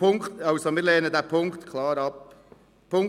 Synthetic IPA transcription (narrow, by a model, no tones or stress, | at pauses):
ʊŋktɑʊsomɪːɾleːnədæːpʰʊŋktkʰlɑːɾɑp | pʰːʊŋ